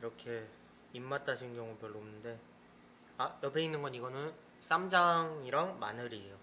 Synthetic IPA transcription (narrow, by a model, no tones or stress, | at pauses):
iɾʌkʰe̞ | imːat͈ʰaɕʰinɡjʌŋupjʌɭːomnɯnde̞ | ajʌpʰe̞inːɯnɡʌniɡʌnɯn | s͈ʰamd͡ʑaŋiɾaŋma̰nɯɾijo